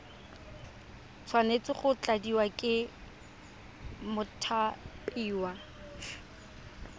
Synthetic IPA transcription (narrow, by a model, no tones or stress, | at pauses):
t͡sʰwanet͡sɪχʊt͡ɬʼadiwakʼɪ | mʊtʰapʼiːwa